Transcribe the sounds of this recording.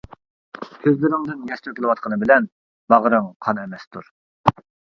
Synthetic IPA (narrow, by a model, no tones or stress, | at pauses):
kʲʰøzlɪɾɪŋd̪ɨnjɛst̪økʲɪlˠɨwɑt̪̚qʰənɨbɪlɛn | bɑʁəɾɨŋqʰɑnɛmɛst̪ʰuɾ